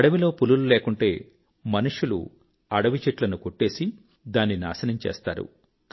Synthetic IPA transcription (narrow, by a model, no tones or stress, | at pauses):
ɐɽɐʋilo̞ːpulululeːkuɳʈe̞ː | mɐnuʂulṵ | ɐɽɐʋit͡ʃeʈlɐnukoʈːe̞ːsi | d̪aːnːina̰ːsɐnɐmt͡ʃeːst̪a̰ːɾṵ